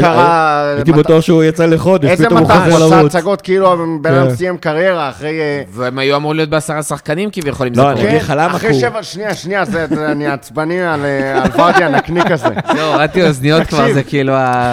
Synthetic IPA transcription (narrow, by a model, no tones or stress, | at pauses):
kaʁait̪ibat̪uaχʃeujat͡saleχo̞d̪eʃetpietoamuazelavutt͡saɡo̞t̪kiiluaembemsijemkaʁje̞ʁaːχʁejveemajuamʁulijot̪̚beasaʁasaχkanimkivjeχo̞limzoenviχalamaaχʁeʃevalʃniaʃniazeeaniat͡sbanimalealvaʁt̪ianaknikazezeʁat̪ioznijo̞t̪kvaʁzekiilua